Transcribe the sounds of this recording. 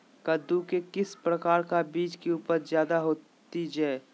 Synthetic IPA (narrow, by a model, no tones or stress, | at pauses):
kəd̪ukekɪspɾəkaːɾkabiːt͡ʃkiuːpəɾzjaːd̪aɦoː | t̪id͡ʒɛː